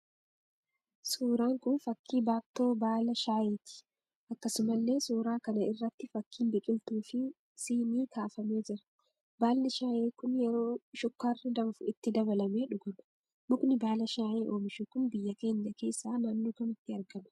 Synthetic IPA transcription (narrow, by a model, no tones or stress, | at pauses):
suːɾaːŋkʊnfɐkːiːbaːb̚t̪o̞ːbaːlɐʃaːjeːt̪ɪ̥ | ʔɐkːɐsʊmɐlːe̞ːsuːɾaːkɐnɐɪrːɐt̪ːɪfɐkːiːnbɪkʼɪlt̪uːfɪ | siːniːkaːfɐme̞ːd͡ʒɪɾɐ̥ | baːlːɪʃaːʔeːkʊnjɛɾo̞ːʃɔkːarːɪd̪ɐmfʊɪt̪ːɪd̪ɐbɐlɐme̞ːᶑʊɡɐmɐ̥ | mʊkʼnɪbaːlɐʃaːʔeːʔoːmɪʃʊkʊnbɪjːɐke̞ːɲːɐke̞ːsːaːnaːnːoːkɐmɪt̪ːɪɐɾɡɐnɐ̥